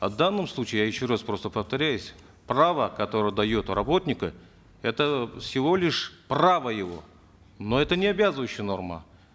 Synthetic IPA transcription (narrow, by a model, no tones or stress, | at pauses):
ɐvd̪anːɨmslˠut͡ɕɪɪjajɪɕːoraspɾo̞st̪əpəft̪ɐɾʲæjʉsʲ | pravəkɐt̪o̞ɾəjəd̪ɐjot̪rɐbo̞t̪ʲnʲɪkə | ɛt̪əfsʲɪvo̞lʲɪʂpravəjɪvo̞̰ | no̞ɛt̪ənʲɪɐbʲazɨvəjʉɕːɪjəno̞rmə̰